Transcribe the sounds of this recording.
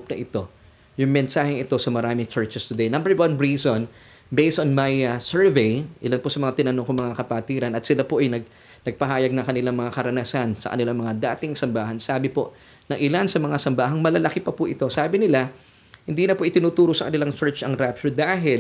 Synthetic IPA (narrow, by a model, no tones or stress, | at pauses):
p̚nɐʔɪt̪o̞ | jʊŋmɛnsaːhɪŋɪt̪o̞sɐmɐɾaːmɪŋt͡ʃɛɹt͡ʃɛst̪ʊd̪ejnɐ̃mbɛɹwɐnɹiːson | bejst̪onmajɐsɛɹvɛjʔɪlanposɐmɐŋat̪ɪnɐnoŋkoŋmɐŋakɐpat̪iːɾɐnɐt̪̚sɪlapoʔɐjnɐɡ̚ | nɐɡ̚pɐɦaːjɐɡ̚nɐŋkɐnɪlaŋmɐŋakɐɾɐnasansɐ̰kɐ̰nɪlaŋmɐŋad̪aːt̪ɪŋsɐmbaːɦɐnsaːbɪpo̞ʔ | nɐŋʔɪlansɐmɐŋasɐmbaːɦɐŋmɐlɐlɐkɪpɐpʊʔɪt̪o̞saːbɪnɪla | hɪnd̪iːnɐpoʔɪt̪ɪnuːt̪uːɾosɐkɐnɪlaŋt͡ʃɛɹt͡ʃɐŋɾapt͡ʃod̪aːɦɪl